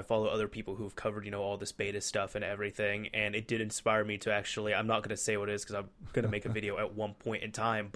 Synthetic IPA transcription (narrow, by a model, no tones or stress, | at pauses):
ɪfɑlˠoʊʔʌðə˞pʰipl̩ˠhuv̥kʰʌvə˞djɨnoʊɔlˠðɨspeɪɾɨstʌfɨ̃nɛvɹiθɪ̃ŋɨ̃nɨt̚d̥ɨɾɨ̃nspaɪɹmiɾɨæk̚t͡ʃul̩ˠiãɪ̃mnət̚ɡ̥ʌnɨseɪwʌɾɨɨz̥kʰʌzãɪ̃mɡ̥ʌñɨmeɪkɨvɪɾioʊət̚wʌ̃npʰɔ̃ɪ̃ntɨ̰̃ntʰãɪ̃mb